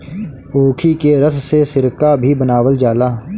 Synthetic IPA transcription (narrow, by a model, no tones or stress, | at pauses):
oːkʰikeɾəssesɪɾkabʱibənaːwəld͡ʒaːlaː